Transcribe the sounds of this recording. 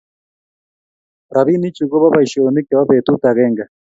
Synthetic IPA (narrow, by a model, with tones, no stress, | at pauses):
ɾa˨βi˦ni˦t͡ʃu˨ɣɔ˦βa˦βa˨i˨ʃe˨o˨ni˦kɛ˨βa˦βe˨t̪u˦t̪a˨ɣɛː˦ŋɡa˨